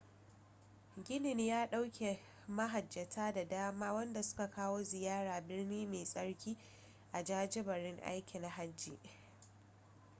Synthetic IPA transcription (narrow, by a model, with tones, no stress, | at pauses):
ɡʲɪ˦nɪ˨ɲjaː˦ɗa˦wkʲʰe˨ | mɐ˦ɦa˨d͡ʒːɐ˨tʰaː˦da˨daː˦maː˦wɐ˦nda˨sʊ̥˦ka˨kaː˦woː˦zɪ˨jaː˦ɽaː˨bɪ˦rniː˦meː˨sʼɐ˦ɽkʲiː˦ | ʔa˨d͡ʒaː˦d͡ʒɪ˦bɐ˨ɾɪ˦ŋʔa̰˦jkʲɪ˨na˨ɦa˦d͡ʒːiː˨ʔ